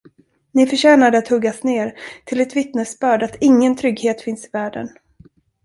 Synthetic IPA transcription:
nɪfœʂɛːnad̪əat̪hɵɡːasneːɾt̪ʰɪlɛt̪vɪt̪nəsbœːɖat̪ɪŋːənt̪ʰɾʏɡheːt̪fɪnsɪvæːɖə̰n

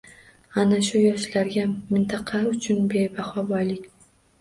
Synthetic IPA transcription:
anaʃujɒʃlaɾɡʲamːɪnt̪ʰɑqʰɑʊt͡ʃʰʊnbebaχɒbɒjlɪkʲ

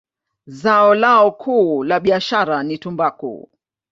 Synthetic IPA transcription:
zaɔlaɔkʰuːlaɓiaʃaɾanitumbakṵ

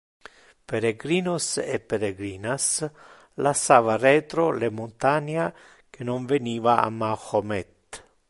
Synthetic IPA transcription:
peɾeɡɾiːnosepːeɾeɡɾiːnas | lasːaːvarɛːt̪ɾolemont̪aɲa | k̟ʰenoɱveniːvaa̰maxomɛt̪

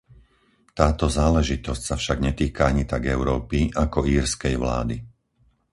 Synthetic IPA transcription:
t̪aːt̪ɔzaːlɛʒit̪ɔscsafʃaɡɲɛt̪iːkaaɲit̪aɡɛʊɾɔːpiʔakɔiːɾskɛjʋla̰ːd̪i

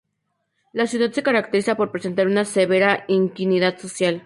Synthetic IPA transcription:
lasjuðat̪sekaɾak̚t̪eɾisapoɾpɾesent̪aɾunaseβeɾaiŋkiniðat̪sosjal

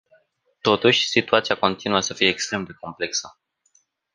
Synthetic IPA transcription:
t̪o̞t̪uʃʲsit̪uat̪siako̞nt̪inuəsəfijeːkst̪ɾe̞md̪e̞ko̞mple̞ksə

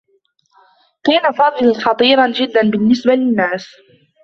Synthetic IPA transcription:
kaːnafɑðˤlxɑt̪ˤiːɾˤɑnd͡ʒɪd̪ːanbɪnːɪsbalɪnːaːs

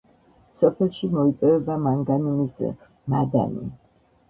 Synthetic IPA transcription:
sɔpʰɛlˠʃimɔipʼɛvɛbamaŋɡanimis | mad̪a̰nḭ

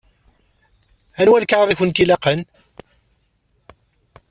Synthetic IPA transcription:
ænwælkaʕðˤiçənt̪ilɑqən

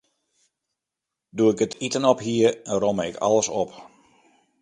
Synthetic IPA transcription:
duɪkətʰitənɔphiərɛnroməɪkʰɑ̰lˠəsɔp

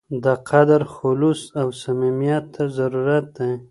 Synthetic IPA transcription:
d̪əqʰad̪aɾxʊlusawsamimijat̪ʰːazaɾuɾat̪̚d̪aj

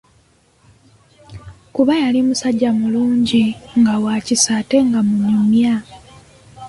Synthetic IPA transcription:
kuβajalimusaɟːamuluːɲɟiŋɡawaːcisaːte̞ŋɡamunumja

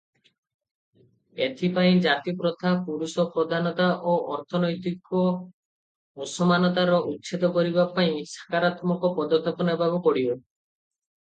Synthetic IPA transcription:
et̪ʰipaĩd͡ʒat̪ipɾɔt̪ʰapuɾusɔpɾɔd̪ʱanɔt̪aʔoʔɔɾt̪ʰɔnɔjt̪ikɔ | musɔmanɔt̪aɾɔʔutːt͡ʃʰit̪ɔkɔɾibapaĩsḁkaɾat̪mɔkɔpɔd̪ɔt̪ʰɔpɔnebʱabɔkɔɽibe

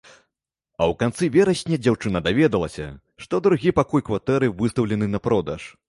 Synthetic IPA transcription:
ɐwkant̪sɨvʲɛɾɐsʲnʲɐd͡zʲawt͡ʂɨnɐd̪avʲɛd̪ɐlˠɐsʲɐ | ʂt̪ɔd̪ɾuɣʲipakujkvat̪ɛɾɨvɨst̪ɐwlʲɛnɨnɐpɾɔd̪ɐʂ

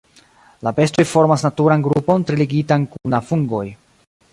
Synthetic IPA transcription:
labe̞sto̞jfo̞ɾmasnatuɾanɡɾupo̞ntɾiliɡitankunafuŋɡo̞j

